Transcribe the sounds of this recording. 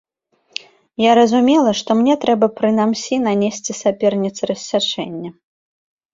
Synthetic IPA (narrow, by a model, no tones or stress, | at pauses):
jaɾɐzumʲɛlˠɐʂt̪ɔmnʲɛt̪ɾɛbɐpɾɨnamsʲinanʲesʲt͡sʲisʲapʲɛrnʲit̪sɨɾɐsʲːat͡ʂɛnʲːɐ